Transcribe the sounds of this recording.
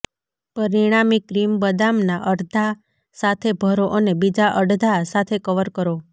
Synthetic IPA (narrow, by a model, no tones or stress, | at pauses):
pəɾiɽ̃amikːɾimbəd̪amnaʔəɾd̪ʱa | sat̪ʰebʱəɾoʔənebid͡ʒaʔəɽd̪ʱasat̪ʰekəʋəɾkəɾo